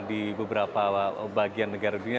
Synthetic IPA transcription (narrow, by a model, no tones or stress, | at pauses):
dibəbəɾapabaɡianːəɡaɾaidiɲa